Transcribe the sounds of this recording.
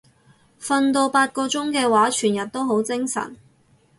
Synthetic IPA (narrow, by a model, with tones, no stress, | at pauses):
fɐ˧nt̪o˧wpaː˧t̚kɔː˧t͡sʊ˥ŋkɛː˧waː˨˥t͡ʃʰyː˨˩njɐ˨t̚t̪o˥wɦo˨˥wt͡sɪ˥ŋsɐ̰˨˩n